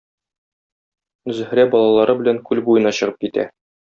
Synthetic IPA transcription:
zɵ̆h̆ɾæbɒlˠɑlˠɑɾɤbɘ̆læŋkʉlbujɤ̆nɑɕɤ̆ʁɤp̚kit̪æ̰

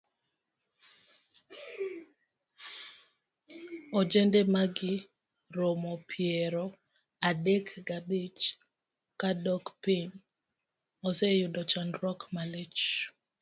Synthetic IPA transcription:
ɔd͡ʒɛndemaɡɪ | ɾomɔpʰjeɾɔ | adekɡabit͡ʃ | kadɔkpin | ɔsejʊdɔt͡ʃanɾɔkmalet͡ʃ

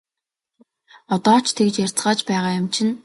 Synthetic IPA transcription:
ɔt̪ɔːt͡ɕʰt̪ʰekt͡ɕjar̥ʲt͡sɢaːt͡ɕpæːʁaːjʊmt͡ɕʰɪ̆n

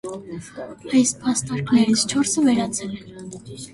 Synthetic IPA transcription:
ɑjspʰɑst̪ɑɾkʰnɛɾit͡sʰt͡ʃʰɔɾsəvɛɾɑt͡sʰɛlɛn

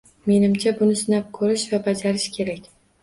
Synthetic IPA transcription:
me̞nɪmt͡ʃʰabʊnɪsɪnap̚kʰɵɾɪʃvabad͡ʒaɾɪʃkʲʰe̞ɾakʲ

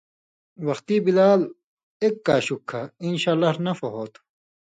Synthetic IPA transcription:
wɐxt̪iːbilaːl | eːkːaːɕukʰːainɕaːlːɐɾnɐfɐɦoːt̪ʰ

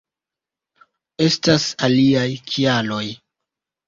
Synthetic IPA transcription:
e̞stasaliajkʰialo̞j

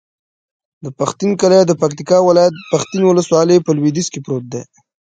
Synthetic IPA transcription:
d̪əpaxt̪inkalad̪əpak̚t̪ikɑwɪlɑjat̪̚paxt̪inwʊləswɑlepəlwid̪iskepɾot̪̚d̪ḛ

